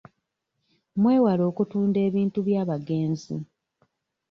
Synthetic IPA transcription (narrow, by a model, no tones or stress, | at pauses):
mwe̞ːwalo̞ːkutuːnde̞ːβiːntuβjaːβaɡe̞ːnzḭ